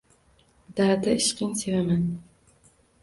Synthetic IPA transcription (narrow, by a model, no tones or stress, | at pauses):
d̪̥aɾd̪aɪʃqʰɨŋsevaman